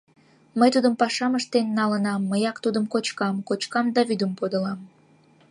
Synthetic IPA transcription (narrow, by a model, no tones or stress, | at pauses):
məjt̪ud̪əmpɑʃɑməʃt̪enːɑlənɑmːəjɑkt̪ud̪əmkot͡ɕkɑmkot͡ɕkɑmd̪ɑβyd̪əmpod̪əlɑm